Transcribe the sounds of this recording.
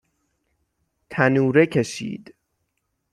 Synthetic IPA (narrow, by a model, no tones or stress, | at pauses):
t̪ʰænuːɾekʰeʃḭːd̪̥